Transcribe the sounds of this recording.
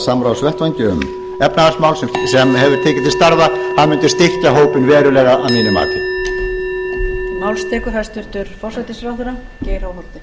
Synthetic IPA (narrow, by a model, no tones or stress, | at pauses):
samɾawsvɛht̪vajɲcɪʏ̰m | ɛpnaarsmawlssɛmhɛvʏɾt̪ʰɪːcɪt̪ist̪aɾðahaðmʏnt̪ɪ̥st̪ɪr̥caɦoːwpɪnvɛːɾʏlɛɣaʔa̰ðmiːnɪma̰ːt̪ɪ | maːwlst̪ɛːkʏfast̪ʏɾ̥t̪ʏɾ̥fɔr̥sat̪ɪsɾawðʏɾa | cɛːjɾawɦɔɾt̪ɪ